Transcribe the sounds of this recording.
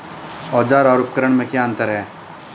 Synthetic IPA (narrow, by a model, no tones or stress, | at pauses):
ɔːd͡ʒaːɾɔːɾʊp̚kəɾəɳ̃mẽkjaːə̃nt̪əɾɦɛː